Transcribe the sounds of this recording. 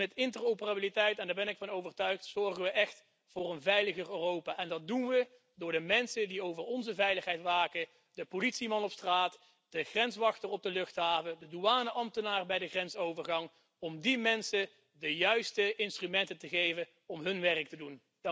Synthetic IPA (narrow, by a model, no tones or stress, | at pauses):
ɛtɪntərowpəraːbilitɛjtɛndaːɹbɛnɪkfɑnowvərtœɥχtsɔɹɣənʋəʔɛχt | vʊːrənvɛjləɣərøːrowpaːʔɛndɑt̚dunʋə | dʊːɹdəmɛnsədiowvərɔnzəvɛjləχɦɛjtʋaːkə | d̥əpolitsimɑnɔpstraːt | d̥əχrɛnsʋɑxtərɔb̚dəlɵxtɦaːvədəduaːnəʔɑmtənaːrbɛjdəχrɛnsowvərɣɑŋ | ɔmdimɛnsə | dəjœɥstəɪnstrymɛntəntəɣejvə | ɔmɦɵnʋɛrək̚tədun